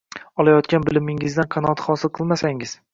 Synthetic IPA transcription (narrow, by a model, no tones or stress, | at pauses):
ɒlˠajɒt̪kʲanbɪlɪmɪŋɪzd̪anqʰɑnɒat̪χɒsɪlˠqʰɨlˠmasaŋɪz̥